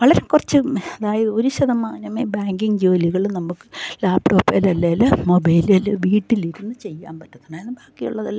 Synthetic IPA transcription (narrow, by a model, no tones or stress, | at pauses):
ʋɐɭɐɾekurɐt͡ɕːɨɐðaːjɐðɨo̞ɾuɕɐðɐmaːnɐmeːbaːŋɡiŋd͡ʑo̞ːliɣɐɭnɐmːukːɨlaːpʈo̞ːpːɐlɐlːɐjlɐmobɐjlɐlʋiːʈːiliɾunːɨt͡ɕe̞jːa̰ːnpɐtːuðɐɳaenːɨbaːkːijṵɭːɐðɐlː